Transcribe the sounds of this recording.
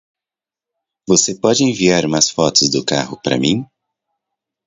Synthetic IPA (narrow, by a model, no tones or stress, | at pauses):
vosepɔd͡ʒɪẽviaɾmasfɔt̪ʊzd̪ʊkahʊpɾɐ̰mĩ